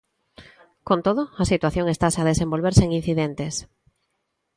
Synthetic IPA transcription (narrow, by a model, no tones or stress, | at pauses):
kont̪oðʊasit̪waθjoŋest̪asaðesẽmbolβeɾseŋin̟θiðent̪es